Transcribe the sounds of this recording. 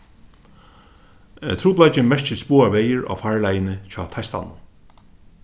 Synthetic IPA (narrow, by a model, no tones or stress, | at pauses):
ɛt̪ʰɾuːplajt͡ʃɪmɛɹ̥t͡ʃɪspuːaʋɛːjəɹa̰ːfaːɹlajɪnɪt͡ɕʰɔːt̪ʰast̪a̰nːʊ̰n